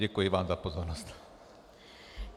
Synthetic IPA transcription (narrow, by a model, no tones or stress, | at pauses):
ɛkujiʋaːmzapozɔrnɔst̪